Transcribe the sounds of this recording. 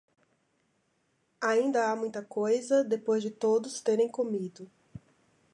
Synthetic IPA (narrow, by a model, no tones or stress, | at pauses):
aĩnd̪ɐamũj̃t̪ɐkojzɐd̪epojzd͡ʒɪt̪od̪ʊst̪eɾẽj̃komid̪ʊ